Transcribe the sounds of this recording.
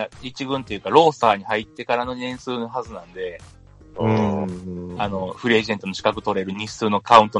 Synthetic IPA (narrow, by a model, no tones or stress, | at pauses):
ait͡ɕiɡɯ̟̃nt̪e̞jɯ̟kaɾo̞ːsaːɲ̟ihait̪ːe̞kaɾano̞nẽ̞ɰ̃sɨːno̞ɦazɨnãnd̪e̞ | ano̞ɸɯ̟ɾʲieʑe̞nt̪o̞noɕi̥kakɯ̟t̪o̞ɾe̞ɾɯ̟ɲ̟isɨːno̞kaɯ̟̃nt̪o